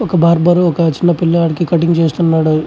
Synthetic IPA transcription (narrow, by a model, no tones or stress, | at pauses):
ɔkɐbʱaːɾbɐɾɔkɐt͡ʃinːɐpilːaːɽkikɐʈiŋɡt͡ʃeːst̪unːaːɽu